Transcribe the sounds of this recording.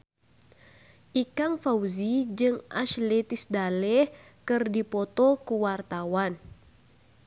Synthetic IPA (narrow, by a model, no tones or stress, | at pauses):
ʔikaŋfauzid͡ʒɨŋʔa̰ʃlɛt̪isdalɛhkɨrdipɔt̪ɔkuwart̪awan